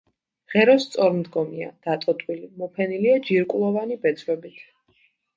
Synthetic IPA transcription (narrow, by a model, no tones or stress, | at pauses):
ʁɛɾɔst̪sʼɔɾmd̪ɡɔmiad̪̥at̪ʼɔt̪ʼwilimɔpʰɛniliad͡ʒiɾkʼulˠɔvanibɛt̪sʰʼwɛbit̪ʰ